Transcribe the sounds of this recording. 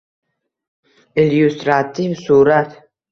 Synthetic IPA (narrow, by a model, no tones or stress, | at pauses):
ɛljust̪ʼɾat̪ʰʼivsuɾat̪ʰ